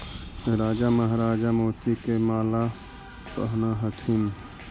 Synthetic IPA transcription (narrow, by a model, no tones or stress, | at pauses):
ɾaːd͡ʒaməɦɾaːd͡ʒamoːt̪ikemaːla | kə̰ɦnaɦət̪ʰun